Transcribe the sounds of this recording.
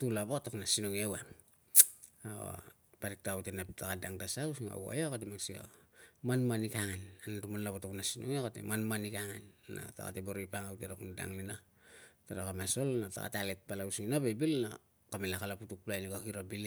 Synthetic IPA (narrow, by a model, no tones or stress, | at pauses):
tulabotokunasinoŋewa | o̰ | paɾik̚tawtenaptakadaŋtasausiŋa̰wa̰jakat̬emaksio̰manmanikaŋananatumanlaβotokunasinoŋeokatḛmanmanikaŋanna̰ta̰ka̰teboɾoipaŋawteɾakunada̰ŋlina | taɾakamasolnata̰ka̰tealet̚palausiŋinabebilna̰ | kamelakalaputuk̚plajnikakiɾabile